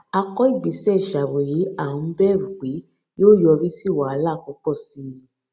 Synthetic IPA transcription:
a˧kɔ˦i˦˨ɡ͡be˨sɛ˦˨ʃa˨wo˨je˨˦a˦˨ũ˨˦bɛ˦˨ɾu˨ɡ͡be˨˦ | joː˦jɔ˧ɾi˦si˦˨wa˨a˨˦la˦˨kɔ˨˦kɔ˦˨si˨˦i˧lĩ˨

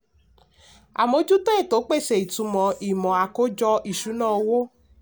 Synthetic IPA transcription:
a̰˨mo˨˦d͡ʒu˦te˦e˦˨to˨˦k͡pe˦˨se˨i˨tu˨˧mɔ̃˨i˨mɔ̃˨a˨ko˦d͡ʒɔ˧ʔi˨ʃu˨˦nãː˦˨wo˦

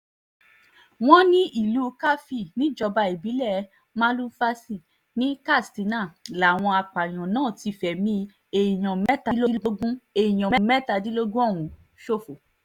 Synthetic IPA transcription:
w̃ɔ̃˦nĩ˦i˦˨lu˨˦ka˦fi˦˨nĩ˨˦d͡ʒɔ˧ba˧i˨bi˨˦lɛ˦˨ | mã˦lu˦fa˦si˦˨ | nĩ˦ka˦˨sti˨˦nã˦˨la˨w̃ɔ̃˧a˧k͡pa˨j̃ɔ̃˨nãː˦˨ti˧˨fɛ˨mĩ˧˦ | e˧˨i˨j̃ɔ̃˨mɛ˦ta˧˦lo˦lo˦ɡũ˦e˧˨i˨j̃ɔ̃˨mɛ˦˨mɛ˦˨ta˧di˦lo˦ɡũ˦ɔ̃˦˨ũ˨ | ʃo˦˨fo˨

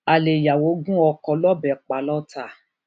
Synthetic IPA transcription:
a˨le˨ja˨wo˨˦ɡũ˦ɔ˧kɔ˧lɔ˦bɛ˨k͡pa˨˦lɔ˦tʰa˦˨

